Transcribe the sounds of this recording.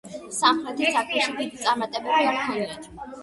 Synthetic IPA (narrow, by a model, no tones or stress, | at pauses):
samχɾɛt̪ʰisakʰmɛʃid̪id̪it̪sʼaɾmat̪ʼɛbɛbiaɾk̪ʰɛnad͡ʒ̪